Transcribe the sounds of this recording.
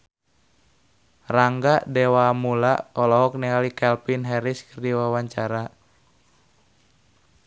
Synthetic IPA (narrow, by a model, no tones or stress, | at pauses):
raŋɡadɛwaːmulaʔɔlɔɦɔk̚niŋalikɛlpinɦɛɾiskərdiwawaɲt͡ʃaɾa